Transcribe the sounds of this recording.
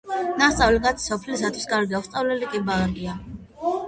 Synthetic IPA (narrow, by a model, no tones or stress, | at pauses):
nast̪sʼavlikʼat̪ʰi̥sɔpʰlisat̪ʰwi̥skʼaɾɡiast̪sʼavlɛlikʼibaɾɡia